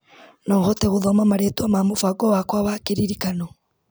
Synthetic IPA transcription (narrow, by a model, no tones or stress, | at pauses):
nɔŋɡɔtɛɣuðɔmamaɾetuamambufaɡɔwakwaβahkiɾiɾikano